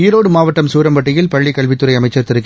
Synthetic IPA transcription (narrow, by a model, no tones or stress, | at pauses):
iːɾoːɽɯmaːʋɐʈːɐmsuːɾɐmbɐʈːɪjɪlpɐɭːɪkːɐɭʋɪt̪ːɯɾɐɪɐmɐɪt͡ʃːɐɾt̪ɪɾɯkː